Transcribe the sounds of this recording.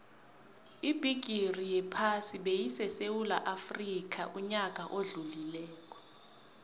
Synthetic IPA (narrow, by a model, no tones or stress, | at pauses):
ib̥ʱiɡ̥ʱirijɛpʰasiɓejisɛsewula̰ʔafrik̬ʰʼaʔuɲak̬ʼaʔoɮulilɛːk̬ʼɔ̥